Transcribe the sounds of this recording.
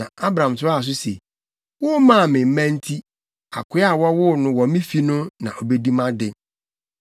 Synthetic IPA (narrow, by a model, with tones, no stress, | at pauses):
nã˨a˦bɾã˨m˨tʰʊ˦a˦˨s̬ʊ˦sḛ˨ | wʊ˦mã˦˨mɪ̃˨m̩˦mæ̃˦n̩˦tʰi˦ | a̰˨kʰʊ˦a˨wɔ˦wʊ˦nʊ̃˦wɔ˨mĩ˦fi˨nʊ̃˦nã̰˨ʔɔ˨be˦di˦mã˦dɪ˦